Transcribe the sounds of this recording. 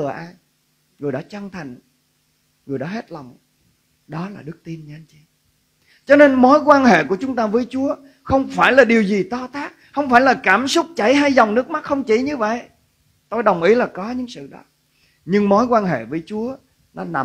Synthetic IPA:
ɨ˨˩əʔaː˧j | ŋɨ˨˩əjɗa̰ː˨˦t͡ɕa˧ŋt̪ʰa˨˩jŋ̟ | ŋɨ˨˩əjɗa̰˨˦ɦe˦˥t̚la˨˩wŋ͡m | ɗɔ˨˦laː˨˩ɗɨ˦˥k̚t̪i˧ənɲa˧˦nt͡ɕi˨˦ | t͡ɕɔ˧ne˧nmo˨˦jkwaː˧nhḛ˧˨ku˧˩ət͡ɕʊ˨˦ŋ͡mt̪aː˧vəː˨˦jt͡ɕu˨˦ə | xə˧wŋ͡mfaː˧˩jlaː˨˩ɗi˨˩əwzi˨˩t̪ɔ˧t̪aː˦˥k̚xə˧wŋ͡mfaː˧˩jlaː˨˩kaː˧˩msʊ˦˥k͡p̚t͡ɕa˧˩jɦa˧jzwŋ͡mnɨ˦˥ək̚m˦˥t̚xə˧wŋ͡mt͡ɕi˧˩ɲɨ˧və̰˧˨j | t̪o˧jɗə˨˩wŋ͡mʔi˨˦laː˨˩kɔ˨˦ɲɨ̰˧˥ŋsɨ̰˧˨ɗɔ̰˨˦ | ɲɨ˧ŋmo˨˦jkwaː˧nɦḛ˧˨vəː˨˦jt͡ɕu˨˦ə | nɔ˨˦na˨˩

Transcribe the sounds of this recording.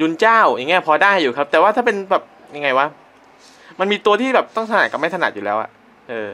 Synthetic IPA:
ju˧˥nt͡ɕaː˥˩wja˨˧˩ŋi˦˥ɐpʰɔː˧daː˥˩jːuː˨˩kʰa˦˥t̪ɛː˨˩waː˥˩t̪ʰaː˥˩pe˧nbɛː˨˩p̚ | ja˧ŋːa˧jwa˦˥ | ma˧nmiː˧t̪u˧t̪ʰiː˥˩bɛː˨˩p̚t̪ɔ˥˩ŋʰa˧naː˨˩t̪ka˨˩ma˥˩t̪ʰna̰˨˩t̪̚juː˨˩lɛː˦˥wʔa̰˨˩ʔ | ʔɤː˧

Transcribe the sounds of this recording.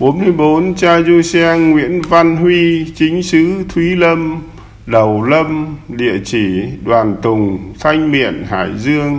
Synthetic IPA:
ɓo˨˦nmɨ˧jɓo˨˦nt͡ɕaː˧zu˧sɛ˧ŋːwḭ˧˥ənva˧nɦwi˧t͡ɕï˨˦ŋ̟sɨ˨˦t̪ʰwi˨˦lə˧m | ɗə˨˩wlə˧mɗḭ˧˨ət͡ɕi˧˩ɗwaː˨˩nt̪ʊ˨˩ŋ͡mt̪ʰa˧jŋ̟mḭ˧˨ənha̰ː˧˩˨jzɨ˧əŋ

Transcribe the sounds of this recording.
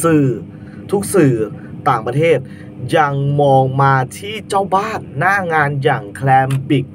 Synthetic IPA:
sɯː˨˩ | t̪ʰu˦˥k̚sɯː˨˩ | t̪aː˨˩ŋpɾa˧t̪ʰeː˥˩t̪̚ | ja˧ŋmɔː˧ŋmaː˧t̪ʰiː˥˩t͡ɕaː˥˩wbaː˥˩nːaː˥˩ŋaː˧njaː˨˩ŋkʰlɛː˧mbi˨˩k̚

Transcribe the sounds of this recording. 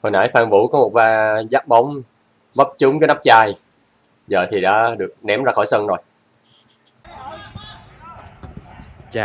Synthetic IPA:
kɔ˨˩nʔa̰ː˧˥˦jfaː˧˩ŋvṵ˧˥kɔ˨˦mo˨˩t̚vaː˧zaː˦˥k̚ɓa˨˦wŋ͡m | və˦˥p̚t͡ɕʊ˨˦ŋ͡mkɔ˨˦na˦˥p̚t͡ɕaː˧j | zəː˨˩t̪ʰi˨˩ɗa̰ː˧˥ɗɨ˨˩ək̚nɛ˨˦mzaː˧xɔ˧˩jsə˧nzo˨˩j

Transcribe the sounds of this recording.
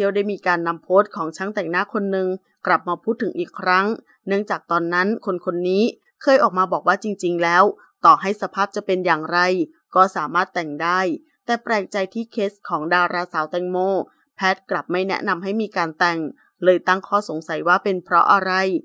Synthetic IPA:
t̪ʰi˥˩əwdaː˥˩jmiː˧kaː˧nːa˧mpʰoː˦˥t̪̚kʰɔː˩˦ŋt͡ɕʰa˦˥ŋt̪ɛ˨˩ŋnaː˧˥˨kʰo˧nːɯ˨˧ŋ | kla˨˩p̚maː˧pʰuː˥˩t̪ʰːɯ˩˦ŋʔiː˨˩kʰːɾa˦˥ŋ | nɯ˥˩əŋt͡ɕaː˨˩k̚t̪ɔː˧nːa˦˥nkʰo˧nkʰo˧nːiː˦˥ | kʰɤː˧jʔɔː˨˩k̚maː˧bɔː˨˩k̚waː˥˩t͡ɕi˧ŋt͡ɕi˧ŋlɛː˦˥w | t̪ɔː˨˩ɦa˥˩jsa˧pʰaː˥˩p̚t͡ɕa˨˩pe˧njaː˨˩ŋɾa˧j | kɔː˥˩saː˩˦maː˥˩t̪ːɛ˨˩ŋdaː˥˩j | t̪ɛː˨˩pɾɛː˨˩k̚t͡ɕa˧jt̪ʰiː˥˩kʰe˦˥skʰɔː˩˦ŋdaː˧ɾaː˧sa˨˩˦wt̪ɛ˧˩ŋmoː˥˩ | pʰɛː˦˥t̪̚kla˨˩p̚ma˥˩jnɛ̰˦˥ʔna˧mɦa˥˩jmiː˧kaː˧nt̪ɛ˨˩ŋ | lɤː˧jt̪a˥˩ŋkʰɔː˥˩so˩˦ŋsa˨˩˦jwaː˥˩pe˧npʰɾɔ̰˦˥ʔa˧ɾa˧j

